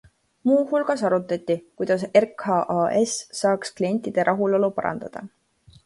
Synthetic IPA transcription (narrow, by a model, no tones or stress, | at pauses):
muːhulɡ̥ɑsɑɾut̪ːˑɑt̪ʲˑːikujd̪̥ɑserkhɑʔɑesːɑːksklie̞nʲt̪ːˑid̪̥e̞ɾʔɑɦulo̞lupɑ̰ɾɑ̰nd̪̥ɑ̰d̪̥ɑ̰